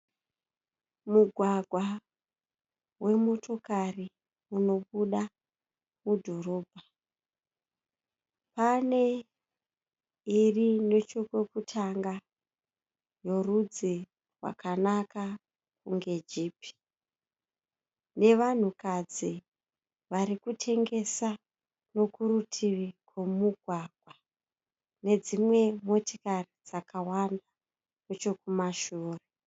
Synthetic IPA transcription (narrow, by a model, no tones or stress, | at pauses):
muɡʱwaɡʱwa | we̞mo̞tʰo̞kari | uno̞ɓuɗa | mudʱo̞ɾo̞ːbʱa | pane̞ | irine̞t͡ʃokwe̞kutʰaŋɡa | jo̞rud͡zi | rwa̰kanaka | k̚uŋɡe̞d͡ʒiːpʰi̥ | ne̞ʋan̤ukad͡zi | ʋaɾikutʰe̞ŋɡe̞sa | no̞kurutʰiʋikwe̞muɡʱwaɡ̥ʱwa | ne̞d͡zimwe̞mo̞tikarid͡zakawanda | et͡ʃo̞kumaʃuːre